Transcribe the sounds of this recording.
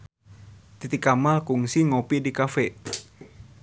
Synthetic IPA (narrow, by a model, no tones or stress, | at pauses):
t̪it̪ikamakuŋsiŋopidikafɛ